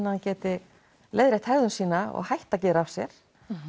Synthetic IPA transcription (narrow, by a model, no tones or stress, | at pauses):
nːahancɛːt̪ɪ | lejðɾɪht̪hɛɣðʏnsiːnaɔ̰ɣhajht̪acɛːɾafsjɛɾ̥